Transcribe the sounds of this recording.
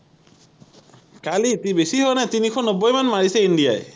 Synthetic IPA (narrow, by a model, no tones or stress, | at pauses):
kalit̪ibesiɦoenat̪inikʰonobːojmanmaɽiseiɳɖiae